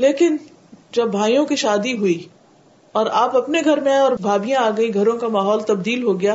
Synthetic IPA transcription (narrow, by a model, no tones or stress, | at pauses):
leːkɪn | d͡ʒɐbːʱaːijõkiʃaːd̪iɦʊi | ɔːɾaːpɐpneɡʱɐɾmẽɔːɾbʱaːbijãaːɡɐĩɡʱɐɾõkamaːɦɔːlt̪ɐb̚d̪iːlɦoɡɐjaː